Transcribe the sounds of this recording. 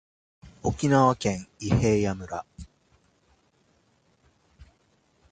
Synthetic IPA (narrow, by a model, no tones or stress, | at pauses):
o̞kʲinaβakẽ̞ŋihe̞ːjamɯ̟ɾa